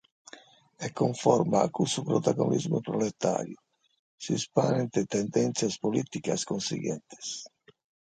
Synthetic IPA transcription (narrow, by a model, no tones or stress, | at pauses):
ɛkːoɱfɔɾmaːkːusupɾot̪aɣonizmupɾolɛt̪a̰ːɾju | sispanɛnt̪ɛt̪ɛnd̪ɛnt̪sjaspolit̪ikaskonsḭɣɛ̰nt̪ɛ̥s